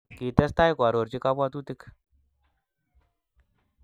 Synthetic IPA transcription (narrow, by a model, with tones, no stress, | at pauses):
ki˨tɛ˦st̪a˦jkʷa˨ɾo˨ɾt͡ʃi˦ka˦bwa˦tu˦ti˦k